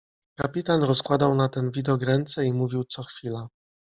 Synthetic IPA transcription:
kapʲit̪anɾɔskwad̪awnat̪ɛnvʲid̪ɔkɾɛnt̪sɛimuvʲiwt̪sɔxfʲila

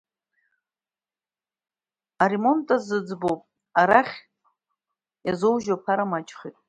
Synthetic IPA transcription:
aɾemo̞ntʼazɨd͡zbowpʼ | aɾaχʲ | jazowʒapʰaɾamat͡ʃʰʼχitʼ

